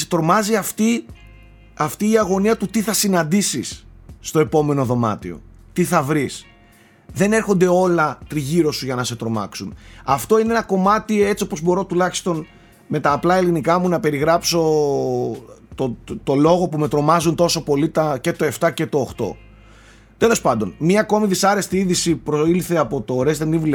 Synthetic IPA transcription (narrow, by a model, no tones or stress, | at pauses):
set̪ɾo̞mɐziɐft̪i | ɐft̪iːɐɣo̞niɐt̪ut̪iθɐsinɐnd̪isisːt̪o̞e̞po̞me̞no̞ðo̞mɐ̰t̪io̞̰t̪iθɐvɾis | ðe̞ne̞ɾxo̞nd̪e̞o̞lɐt̪ɾiʝiɾo̞suʝɐnɐse̞t̪ɾo̞mɐ̰ksunɐft̪o̞ineenɐko̞mɐt̪ie̞t͡sio̞po̞zbo̞ɾo̞t̪ulɐçi̥st̪o̞n | me̞t̪ɐːplɐe̞linikɐmunɐpe̞ɾiɣɾɐpso̞ | t̪ot̪o̞lo̞ɣo̞pume̞t̪ɾo̞mɐzunt̪o̞so̞po̞lit̪ɐce̞t̪oe̞ft̪ɐce̞t̪o̞ːxt̪o̞̰ | t̪e̞lo̞spɐnd̪o̞nmɲɐːko̞miðisɐɾe̞st̪iiðisipɾoilθe̞ɐpo̞t̪o̞ɾest̪enivule